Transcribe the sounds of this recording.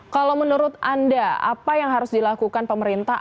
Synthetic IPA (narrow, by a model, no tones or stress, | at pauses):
kalawmənuɾʊt̪andaa̰pajaŋɦaɾʊsdilakukanpəməɾint̪a